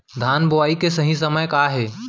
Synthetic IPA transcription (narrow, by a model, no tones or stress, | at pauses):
d̪ʱaːnbʊʋaːikesɐɦĩs̬ɐməjkaːɦeː